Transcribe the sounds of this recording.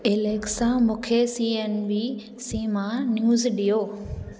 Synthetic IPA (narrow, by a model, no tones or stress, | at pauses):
ɪleksãmũːkʰesiːenʋi | siːmãnjuːzɗijoː